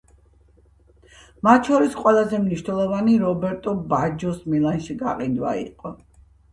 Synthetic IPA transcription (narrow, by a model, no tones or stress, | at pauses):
mat̪ʰʃɔɾisqʼwɛlˠazɛmniʃnɛlˠɔvaniɾɔbɛɾt̪ʼɔbad͡ʒɔsmilˠanʃiɡa̰qʼid̪wa̰ḭqʼɔ